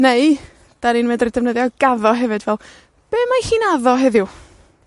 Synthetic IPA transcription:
nej | d̥aninmɛdridɛvnəðjɔɡ̥aðɔɦɛvɨdvɛlˠ | b̥eːmajhiːnaðɔɦɛðjʊ

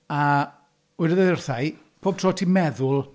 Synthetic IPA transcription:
a | ʊjdəðəðɪrθaj | pʰoːb̚tʰroːtʰimɛðʊlˠ

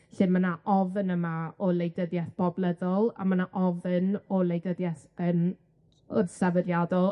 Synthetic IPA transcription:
ɬɨnmanaʔɔvənəmaɔlˠejdəðjɛθb̥ɔblˠəðɔlˠa̰manaʔɔvənɔlˠejdəðjɛθən | ɔrsavəɾjadɔlˠ

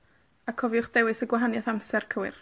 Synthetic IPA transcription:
akʰɔviʊχd̥ɛwɨsəɡwaɦanjaθamsɛrkʰəwɨ̰r

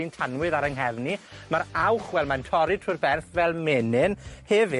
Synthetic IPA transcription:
intʰanwɨðaɾəŋɦɛvnimaɾawχwɛlˠmantʰɔɾɨtʰʊrbɛrθvɛlˠmɛnɪnhɛvɪ

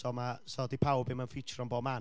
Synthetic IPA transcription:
sɔmasɔːdipʰawbɪmanfɪt͡ʃrɔnboːma

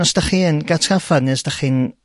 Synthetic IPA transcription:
ɔsd̥aχiːnɡatʰafadniəsd̥aχiːn

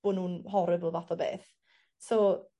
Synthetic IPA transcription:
b̥oːnuːnɦɔɾɨvəlˠvatɔbḛːθ | so

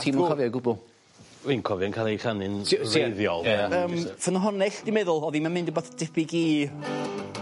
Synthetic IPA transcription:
tʰiːmkʰɔvjɔɡʊbʊlˠ | wenkʰɔvjɔnkʰalˠejɬanɪnreðjɔ̰lˠaəːmfənɔɦɔnɛɬd̥ɪmɛðʊlˠɔðimanmɪ̃ndəboːθd̥ɪpɪɡiː

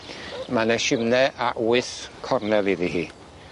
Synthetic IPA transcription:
manɛʃɪmnɛʔaʔwɨθkʰɔrnɛlˠiðihiː

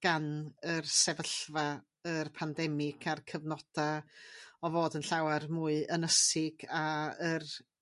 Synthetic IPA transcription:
ɡ̥anərsɛvəɬva | ərpʰandɛmɪɡʰarkʰəvnɔd̥a | ɔvoːdənɬawarmuːɨʔənəsɪɡaər

